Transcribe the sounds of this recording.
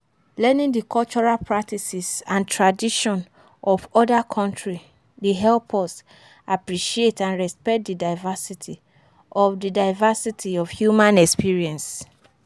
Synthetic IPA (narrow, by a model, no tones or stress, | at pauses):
lɛ̃nĩŋdikʰɔlt͡ʃɔɹalpʰɹak̚tʰisisãntʰɹadiʃɔ̃n | ɔfɔdakʰɔ̃ntɹi | diɦɛlpʰɔs | apɹiʃietãnɹɛspɛk̚t̚didaɪvasitʰi | ʔɔvdidaɪvasitʰiɔvhjumãnɛkspiɹiɛ̃ns